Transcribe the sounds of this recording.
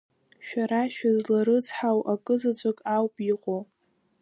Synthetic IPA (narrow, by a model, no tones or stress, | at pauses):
ʃᶣaɾaʃᶣazlaɾɨt͡sħawʔakʼɨzat͡sʷʼakʼawpʼiqʼo